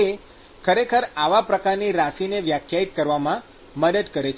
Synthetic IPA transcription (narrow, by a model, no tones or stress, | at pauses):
e | kʰəɾekʰəɾaʋapɾəkaɾniɾaʃineʋjakʰjait̪kəɾʋamã | məd̪əd̪kəɾet͡ʃʰ